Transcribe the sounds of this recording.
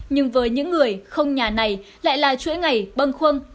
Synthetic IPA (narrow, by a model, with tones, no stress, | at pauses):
ɲɨ˧ŋvəː˨˦jɲɨ̰˧˥ŋːɨ˨˩əjxə˧wŋ͡mɲaː˨˩na˨˩jla̰ː˧˨jlaː˨˩t͡ɕwḭ˧˥ŋa˨˩jɓə˧nxwə˧n